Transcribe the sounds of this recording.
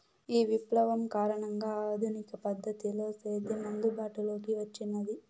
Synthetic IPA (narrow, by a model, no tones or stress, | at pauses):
iːʋiplɐʋɐmkaːɾɐɳɐŋɡaːɐːd̪ʱunikɐpɐd̪ʱːɐt̪ilo̞ːseːd̪emɐŋɡ̪ubaːʈulo̞ːkiʋɐt͡ʃːinːɐd̪i